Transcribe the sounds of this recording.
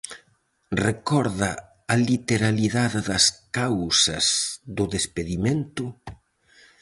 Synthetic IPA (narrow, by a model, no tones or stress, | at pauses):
rekɔɾðɐ | ɐlit̪eɾaliðaðɪðɐskawsɐsðʊðespeðiment̪ʊ